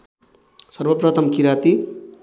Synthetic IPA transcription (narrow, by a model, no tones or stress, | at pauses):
sʌrbʌprʌt̪ʰʌmkiɾat̪i